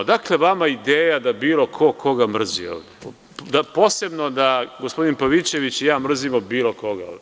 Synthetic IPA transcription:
d̪akle̞ʋamaid̪eːjad̪abiːlˠo̞kʰo̞kʰo̞ɡamr̩zḭo̰ːʋd̪e | d̪apo̞ːse̞bno̞d̪aɡospo̞d̪inpaʋit͡ɕe̞ʋit͡ɕjaːmr̩zimobiːlˠo̞kʰo̞ɡa̰o̰ːd̪ʲ

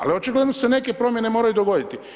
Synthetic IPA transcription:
a̰liot͡ʃiɡled̪nosene̞ke̞pɾo̞mje̞ne̞mo̞ːɾajud̪oɡo̞d̪it̪i

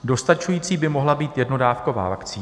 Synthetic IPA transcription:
do̞st̪at͡ʃujiːt͡siːbɪmo̞ɦlabiːt̪jɛdno̞daːfko̞va̰ːvakt͡siː

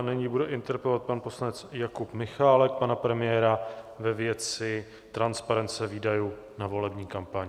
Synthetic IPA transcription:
nɪɲiːbudɛʔɪnt̪ɛɾpɛlovat̪̚panpo̞slanɛt͡sjakupmɪxaːlɛk̚panapɾɛmɪjɛːɾavɛvjɛt͡sɪ | t̪ɾanspaɾɛnt̪t͡sɛviːdajuː | navo̞lɛbɲiːkampaɲɪ

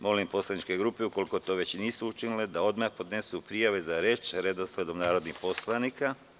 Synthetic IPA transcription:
mo̞limpo̞slˠanit͡ʃke̞ɡɾuːpeuko̞liko̞t̪o̞ːʋe̞t͡ɕniːsuut͡ʃiniled̪ao̞d̪maxpo̞d̪ne̞supɾijaʋe̞zaɾe̞ːt͡ʃɾe̞d̪osle̞d̪o̞mnaːɾo̞d̪nixpo̞slˠanika

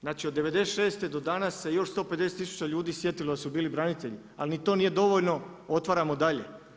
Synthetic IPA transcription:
znaːt͡ʃiod̪ːe̞ʋe̞d̪eseʃe̞ːst̪e̞d̪o̞d̪anasːe̞jo̞ʃst̪o̞pe̞d̪es̬et̪isu̥t͡ɕaʎuːd̪iːsjet̪ilod̪asubiːlibɾanit̪e̞ʎi | a̰lnit̪o̞nije̞d̪o̞ʋo̞ʎno̞o̞t̪ʋaɾamod̪aʎe̞̰

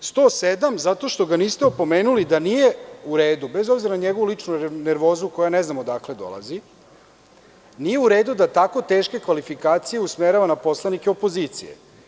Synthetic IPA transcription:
st̪o̞ːsed̪amzat̪o̞ʃt̪o̞ɡaniːst̪eopo̞meːnulid̪anijeuɾeːd̪ubezo̞bziɾanaɲeɡo̞ʋulit͡ʂnuneɾʋo̞ːzuko̞janeznamod̪akle̞d̪o̞̰lˠa̰zi | nije̞uɾeːd̪ud̪at̪ako̞t̪e̞ːʃke̞kʋalifikaːt̪sijeusmeɾaʋanapo̞slˠanikeopo̞zit̪sḭjḛ

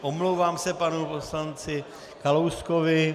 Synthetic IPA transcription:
ʔomlowvaːmsɛpanupo̞slant͡sɪ | kalowskovɪ

